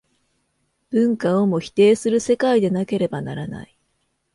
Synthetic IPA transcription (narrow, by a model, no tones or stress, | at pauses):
b̥ɯ̟̃ŋkao̞mo̞çi̥t̪e̞ːsɨɾɯ̟se̞kaid̪e̞nake̞ɾe̞banaɾana̰i